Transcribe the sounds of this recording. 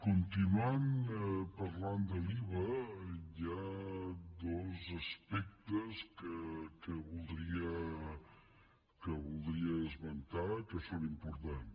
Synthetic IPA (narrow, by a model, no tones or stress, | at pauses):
kunt̪inuanpəɾland̪əliβəja | d̪ɔzəspɛk̚t̪əskəkəβulˠd̪ɾiə | kəβulˠd̪ɾiəəzmənt̪akəsonimpuɾt̪an